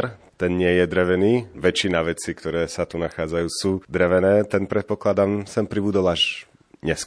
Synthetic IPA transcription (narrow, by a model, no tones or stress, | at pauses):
ɾt̪ɛnɲɪɛjɛd̪ɾɛʋɛniːʋɛt͡ʃinaʋɛt͡sikt̪ɔɾɛːsat̪unaxaːd͡zajuːsuːd̪ɾɛʋɛnɛːt̪ɛnpɾɛt̪̚pɔklad̪amsɛmpɾibud̪ɔlaʒ | ɲɛsk